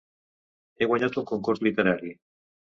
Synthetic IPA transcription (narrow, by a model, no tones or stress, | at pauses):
eɣwaɲat̪uŋkoŋkuɾt̪lit̪eɾaɾi